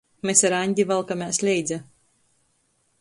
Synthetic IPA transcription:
mʲesaɾanʲd̪ʲivalˠkamʲæːsʲlʲɛjd̪zʲa

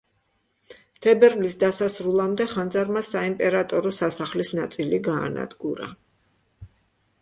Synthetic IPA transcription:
t̪ʰɛbɛɾvlisd̪asasɾulˠamd̪ɛχand̪zaɾmasaimpʼɛɾat̪ʼɔɾɔsasaχlisnat̪sʼiliɡa̰ːna̰d̪ɡuɾa̰

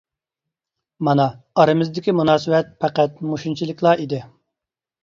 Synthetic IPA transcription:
mɑnɑːɾɨmɪzd̪ɪkʲimunɑːsɨwɛt̪̚pʰæqæt̪̚muʃunt͡ʃʰilˠɪkʲʰlˠɑid̪ɪ

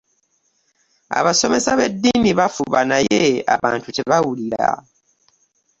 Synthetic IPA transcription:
a̰βaso̞me̞saβe̞dːiːniβafuβanajeaβaːntute̞βawuliɾa̰

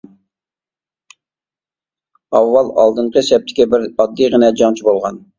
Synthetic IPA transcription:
ɑwːɑlˠɑ̰lˠd̪ɨɴqʰəsɛp̚t̪ʰɪ̥kʲɛbɪɾɑd̪ːijʁənɛd͡ʒɑŋt͡ʃʰibolˠʁɑn

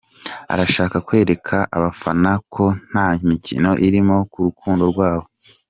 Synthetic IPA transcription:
a̰ɾaʃaːkakwe̞ːɾe̞kʰaʔa̰βafanakʰo̞n̥haimicʰḭno̞ʔiɾimo̞kuɾukʰuːndo̞ɾɡwaːβo̞

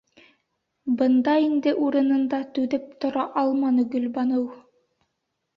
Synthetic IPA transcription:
bɤ̆nd̪ɑind̪ɘʔuɾɤ̆nɤ̆nd̪ɑt̪ʉðɘp̚t̪ŏɾɑʔɑlˠmɑnɤ̆ɡɵ̆lβɑnɤw

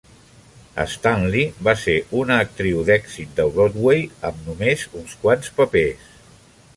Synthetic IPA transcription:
ə̰st̪anlibaseʔunəːk̚t̪ɾiwðɛkɡzit̪̚d̪əβɾot̪wejəmnumezunskwanspəpes

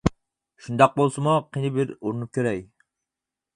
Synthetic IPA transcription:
ʃund̪ɑq̚bolˠsɨmuqʰinɪbɪɾuɾɨnup̚kʲʰeɾɛk

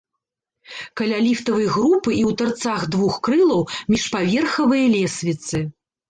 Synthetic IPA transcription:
kɐlʲalʲift̪ɐvɐjɣɾupɨʔiwt̪art̪saxd̪vuxkɾɨlˠɐwmʲiʂpavʲɛrxɐvɨjɐlʲɛsʲvʲit̪sɨ

